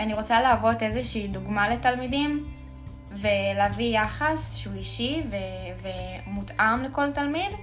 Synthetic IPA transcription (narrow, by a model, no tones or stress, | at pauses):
aniʁot͡saleːvo̞te̞zeʃiːduɡmale̞talmidim | veleavijaχasʃeuiʃivevemutʔamleko̞ltalmid